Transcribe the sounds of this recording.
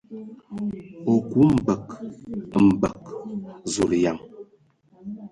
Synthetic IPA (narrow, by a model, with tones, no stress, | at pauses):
o˨ku˦m̩˨bə˨k | m̩˨bə˨k̚zu˨ɾja˨ŋ